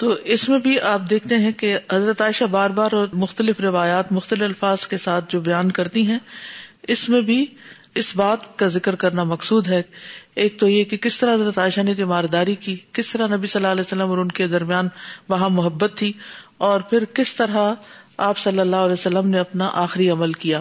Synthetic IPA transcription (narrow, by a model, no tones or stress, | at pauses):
t̪oːʔɪsmẽbʱiʔaːp̚d̪eːk̚ʰt̪eɦɛ̃keɦɐzɾət̪aːɪʃabaːɾbaːɾɔɾmʊxt̪əlɪfɾɪʋaːjaːt̪mʊxt̪əlɪfɐlfaːz̥kesaːt̪̚ʰd͡ʒoːbɐjaːnkɐɾt̪iɦɛ̃ɪsmẽbʱi | ɪsbaːt̪kazɪkɾkɐɾnamɐqsuːd̪ɦɛeːk̚t̪ojekekɪst̪ɐɾaɦɐzɾət̪aːɪʃanet̪ɪmaːɾd̪aːɾikikɪst̪ɐɾanɐbisɐlːaːlɛːsɐlːəmɔːɾʊnked̪ɐɾmijaːnʋɐɦãmʊɦəbːət̪ʰːiɔːɾpʰɪɾkɪst̪ɐɾɦaaːpsɐlːəlːaːɦʊɐlɛːsɐlːəmneɐpnaʔaːxɾiɐməlkijaː